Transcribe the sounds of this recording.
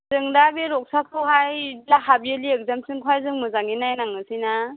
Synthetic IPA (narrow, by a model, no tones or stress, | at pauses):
zɯŋdabeɾɔk̚sakʰɯwɦajlaɦabieliek̚zamsɯŋkʰajzɯŋmɯzaŋinajnaŋɯsijna